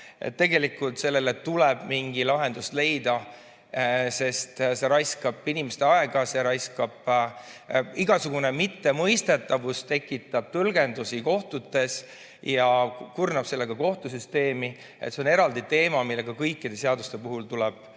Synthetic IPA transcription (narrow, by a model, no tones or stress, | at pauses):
ḛt̪ːe̞ɡe̞likːˑult̪se̞lːe̞let̪ːulɛb̥miŋɡilɑɦe̞nd̪̥ust̪le̞jd̪̥ɑ | se̞st̪se̞ɾɑjskɑb̥inimest̪e̞ɑeɡ̥ɑseɾɑjskɑb̥ | iɡ̥ɑsuɡ̥une̞mit̪ːe̞mɤjst̪e̞t̪ːˑɑvust̪e̞kˑːit̪ːˑɑb̥̚t̪ulɡ̥e̞nd̪usiko̞ht̪ut̪ːˑe̞s | jɑkurnɑb̥se̞lːe̞ɡ̥ɑko̞ht̪usyst̪e̞ːmi | e̞t̪seo̞ne̞ɾɑld̪it̪e̞ːmɑmilːe̞ɡ̥ɑkɤjkːˑid̪̥e̞seɑd̪ust̪e̞puɦult̪ulɛb̥̚